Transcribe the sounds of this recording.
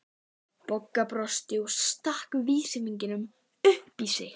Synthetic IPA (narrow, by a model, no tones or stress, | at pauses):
pɔkːapɾɔst̪ɪust̪ahkviːsɪmiɲcɪnʏm | ʏhpisɪ